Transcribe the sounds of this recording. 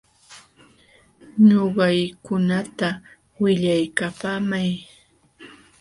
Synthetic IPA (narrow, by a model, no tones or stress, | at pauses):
ɲoɢɑjkʊnat̪a | wɪʎajkapaːmaj